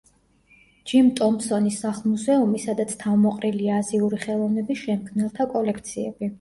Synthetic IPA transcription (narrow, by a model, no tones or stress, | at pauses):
d͡ʒimt̪ʼɔmsɔnisaχlˠmuzɛumisad̪at̪sʰt̪ʰavmɔqʼɾiliaaːziuɾiχɛlˠɔvnɛbisʃɛmkʰmnɛlˠt̪ʰakʼɔlɛkʰt̪sʰiɛ̰bi